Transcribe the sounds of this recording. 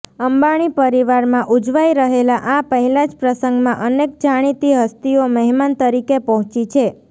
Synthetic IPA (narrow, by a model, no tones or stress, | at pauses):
əmbaɽ̃ipəɾiʋaɾmãʔud͡ʒʋaiɾəɦelaʔapəɦilãd͡ʒpɾəsəŋɡmãʔənek̚d͡ʒaɽ̃it̪iɦəst̪ioməɦmant̪əɾikepəɦɔ̃t͡ʃit͡ʃʰe